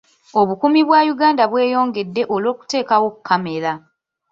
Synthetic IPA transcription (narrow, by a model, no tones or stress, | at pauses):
o̞βukumiβwajuɡaːndaβwe̞ːjo̞ːŋɡe̞dːe̞ʔolo̞ːku̥te̞ːkawo̞kukʰːame̞la